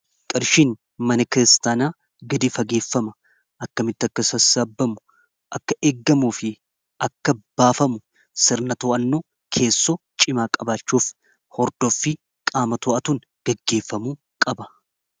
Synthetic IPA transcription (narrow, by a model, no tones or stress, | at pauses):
kʼɪɾʃiːn | mɐnɐkɪɾɪst̪aːnaː | ɡɪd̪ɪfɐɡe̞ːfːɐmɐ | ʔɐkːɐmɪt̪ːɐkːɐsɐsaːbːɐmʊ | ʔɐkːɐʔeːɡːɐmuːfɪ | ʔɐkːɐb̥aːfɐmʊ | sɪɾnɐt̪oːʔɐnːoː | kʰe̞ːsːɔt͡ʃʼɪmaːkʼɐbaːt͡ʃːuːf | hɔɾd̪̥ofːɪ | kʼaːmɐt̪oːʔɐt̪uːŋ | ɡ̥ɛɡːe̞ːfːɐmuː | kʼɐbɐ